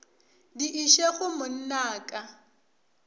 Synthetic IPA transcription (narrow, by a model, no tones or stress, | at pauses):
diʔiʃeɣʊmʊn̩naːkʼa